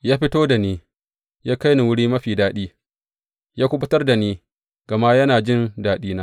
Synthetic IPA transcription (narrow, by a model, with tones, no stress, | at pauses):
jaː˦ɸɪ˦toː˦da˨niː˦ | jaː˦ka˦jni˨wʊ˦ɽiː˦mɐ˦ɸiː˨daː˦ɗiː˦ | jaː˦kʷʊ˦ɓʊ˦tɐ˦rda˨niː˦ | ɡ̥ɐ˨ma˦jɐ˦naː˨d͡ʒɪ˦ndaː˨˦ɗiː˦naː˦